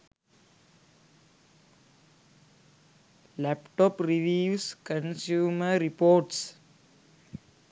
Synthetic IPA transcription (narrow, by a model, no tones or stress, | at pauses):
læpʈɔpɾiʋiːʋskə̃nsjuːməɾipoːʈs